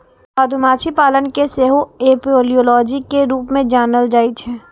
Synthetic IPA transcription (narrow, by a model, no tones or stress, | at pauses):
baːd̪ʱumaːt͡ʃʰipaːlənkeseːɦoeːpioːlijoːlɔːd͡ʒikeɾuːpmẽd͡ʒaːnəld͡ʒaːit͡ʃʰɛː